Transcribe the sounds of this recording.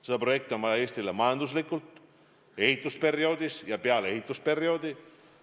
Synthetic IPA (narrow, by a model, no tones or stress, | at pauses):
sed̪̥ɑpro̞je̞k̚t̪ionmɑeːst̪ilemɑjɑnd̪us̬likːult̪ | e̞hit̪ˑːuspe̞ɾio̞ːd̪isjɑpeɑle̞ɦit̪ːˑuspe̞ɾio̞ːd̪i